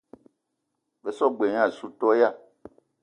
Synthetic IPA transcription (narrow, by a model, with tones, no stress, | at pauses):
ve˨sɔ˦ɡ͡be˨ɲ˦ã˦˨su˦tɔ˦ja˦˨